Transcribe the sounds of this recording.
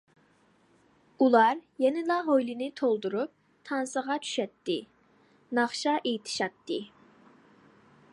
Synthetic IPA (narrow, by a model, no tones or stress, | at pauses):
ulˠɑɾjɛnɪlˠɑɦojlɪnɪt̪ʰolˠd̪uɾup̚ | t̪ʰɑnsəʁɑt͡ʃʰy̥ʃɛt̪ʰːɪ | nɑχʃɑʔet̪ʰɪ̥ʃɑt̪ʰːɨ